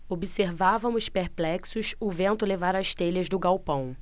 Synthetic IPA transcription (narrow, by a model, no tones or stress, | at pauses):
obiseɾvavɐ̃mʊspeɾplɛksʊsʊvẽnt̪ʊlevaɾɐʃt̪eʎɐzd̪ʊɡawpɐ̃w̃